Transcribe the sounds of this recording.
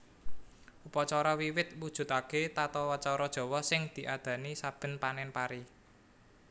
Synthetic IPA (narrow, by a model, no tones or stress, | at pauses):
ʔupɔt͡ʃɔɾɔwiwɪt̪̚wud̥ʒ̥ʊ̤t̪aket̪at̪ɔwɔt͡ʃɔɾɔd̥ʒ̥ɔ̤wɔsɪŋd̪̥i̤ʔad̪̥ä̤nisab̥ə̤npanɛnpaɾi